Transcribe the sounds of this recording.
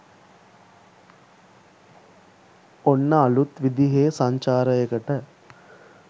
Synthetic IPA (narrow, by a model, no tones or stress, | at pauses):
onːɐːlut̪ʋid̪iɦeːsɐɲt͡ʃaːɾəekəʈə